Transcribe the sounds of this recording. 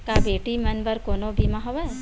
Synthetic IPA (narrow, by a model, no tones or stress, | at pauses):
kabeːʈimɐnbəɾkoːnobʱimaɦoʋaɛ